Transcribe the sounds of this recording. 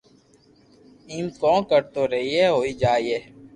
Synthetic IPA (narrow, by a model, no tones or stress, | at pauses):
iːmkõːkəɾt̪oːɾəɦiɦɛːɦoːiːd͡ʒaːieː